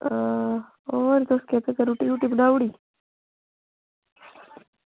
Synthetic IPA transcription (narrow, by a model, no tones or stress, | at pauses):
oɾit̪osket̪ekɐɾuʈiɾuʈibɖawɽi